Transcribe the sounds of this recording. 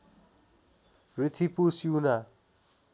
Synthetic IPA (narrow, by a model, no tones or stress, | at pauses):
rit̪ʰipusjuna